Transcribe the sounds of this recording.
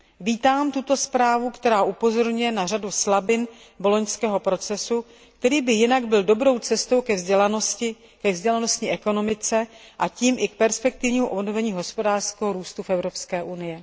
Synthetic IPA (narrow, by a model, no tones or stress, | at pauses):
viːt̪aːmt̪ut̪o̞spɾaːvukt̪ɛɾaːʔupo̞zo̞ɾɲujɛnaraduslabɪn | bo̞lo̞ɲskɛːɦo̞pɾo̞t͡sɛsu | kt̪ɛɾiːbɪjɪnaɡbɪldo̞bɾo̞wt͡sɛst̪owkɛvzɟɛlanoscɪ | kɛvzɟɛlano̞stɲɪʔɛko̞no̞mɪt͡sɛʔaciːmʔɪk̚pɛɾspɛk̚t̪ɪvɲiːmuʔo̞bno̞vɛɲiːɦo̞spo̞daːr̥skɛɦoɾuːst̪ufʔɛvɾo̞pskɛːʔunɪjɛ